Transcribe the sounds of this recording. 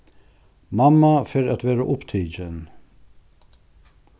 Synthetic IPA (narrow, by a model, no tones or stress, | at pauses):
mamːafɪːɾæt̪vɛːɾaʔʊpt̪ʰiːd͡ʒən